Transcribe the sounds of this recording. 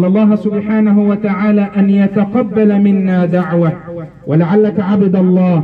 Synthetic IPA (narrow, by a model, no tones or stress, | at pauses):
lːɑlˤːɑːɦsʊbħaːnaɦuwat̪aʕaːlaːʔanjat̪aqɑbːalamɪnːaːd̪aʕwa | walaʕalːakaʕabad̪alˤːɑː